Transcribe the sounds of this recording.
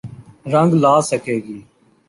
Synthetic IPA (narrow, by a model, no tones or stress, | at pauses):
ɾəŋɡlaːsəkʰeːɡiː